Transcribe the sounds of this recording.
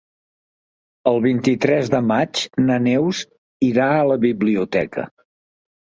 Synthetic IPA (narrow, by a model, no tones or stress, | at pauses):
əlˠβint̪it̪ɾɛzðəmat͡ʃnənɛwz | iɾaələβiβliut̪ɛkə̰